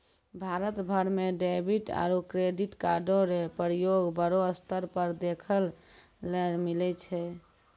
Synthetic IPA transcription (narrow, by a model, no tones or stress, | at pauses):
bʱaɾət̪bʱəɾmeɖebʱiʈa̰ɾukɾeɖiʈkaɾɖoɾepəɾjoɡbəɾoəst̪əɾpəɾd̪ekʰəl | milɛt͡ʃʰɛ